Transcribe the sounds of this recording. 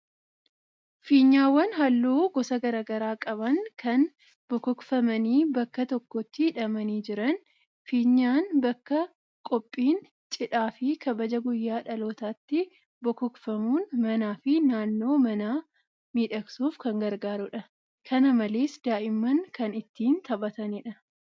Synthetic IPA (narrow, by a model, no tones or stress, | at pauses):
fiːɲːaːwːɐnɦɐlːuːɡɔsɐɡɐɾaːɡɐɾaːkʼɐbɐŋkɐn | b̥ɔkɔkfɐmɐniːbɐkːɐt̪ɔkːɔt̪ːɪɪᶑɐmɐniːd͡ʒɪɾɐn | fiːɲːaːnbɐkːɐ | kʼɔpʼːiːn | t͡ʃʼɪᶑaːfɪkɐbɐd͡ʒɐɡʊjːaːᶑɐlo̞ːt̪aːt̪ːɪ | bɔkɔkfɐmuːnmɐnaːfɪnaːnːoːmɐnaː | miːᶑɐksuːfkɐŋɡɐɾɡaːɾʊᶑɐ | kʰɐnɐmɐle̞ːsd̪aːʔɪmːɐŋkɐnɪt̪ːiːnt̪ʰɐbɐt̪ɐnɪᶑɐ